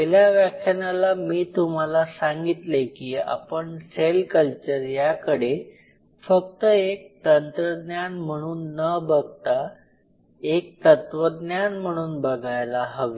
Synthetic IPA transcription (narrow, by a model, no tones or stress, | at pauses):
teljaʋjakʰjanalamiːt̪um̤alasaŋɡit̪lekiːa̰pəɳselkəlt͡ɕəɾjakəɽe | fək̚t̪əek̚t̪ənt̪ɾəd̪njanm̤əɽ̃uːnːəbəɡ̚t̪a | ek̚t̪ət̪ʋəd̪njanm̤əɽ̃uːnbəɡʱajlaɦəʋi